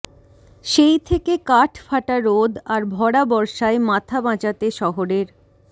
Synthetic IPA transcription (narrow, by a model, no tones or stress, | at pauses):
ʃejt̪ʰekekaʈʰfaʈaɾod̪ʱaɾbʱɔɽabɔɾʃaemat̪ʰabãt͡ɕat̪eʃɔɦoɾeɾ